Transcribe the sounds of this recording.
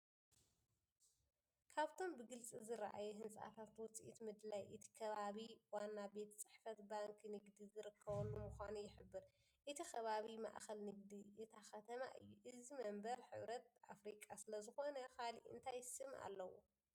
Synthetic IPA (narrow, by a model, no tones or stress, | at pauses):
kʰaβt̪ʰo̞mbɨɡɨlt͡sʼizɨɾaʔa̰juɦɨnsʼa̰t̪ʰat̪wɔt͡sʼiʔit̪mɨd̪lajʔɨt̪ʰi̥kʰɐβaβiwanːabe̞t̪t͡sʼɨ̥ħfɐt̪baŋkʰnɨɡd̪izɨɾɨkʰːɐβɐlːumuxʷanujɪħɨbːɨɾ | ʔɨt̪ʰixʰɐβaβima̰ʔxɐlnɨɡ̚d̪iʔɨt̪ʰaxɐt̪ʰɐma̰ʔɨjːuʔɨzimɐmbɐɾħɨ̰βɾɐt̪̚ʔa̰fɾikʼasɨlɐzɨxo̞nɐkʰalḭʔɨ̰nt̪ʰajsɨma̰lːɐwṵ